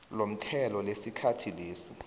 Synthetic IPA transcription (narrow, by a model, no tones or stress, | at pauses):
lom̩tʰɛlɔlesikʰatʰileːsi